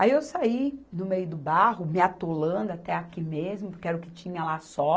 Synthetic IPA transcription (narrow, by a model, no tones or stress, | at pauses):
aiewsainʊmejʊd̪ʊbaɦʊmɪat̪olɐ̃nd̪ʊat̪ɛakimezmʊpʊɾkɪɛɾʊkɪt͡ʃĩɲɐlasɔ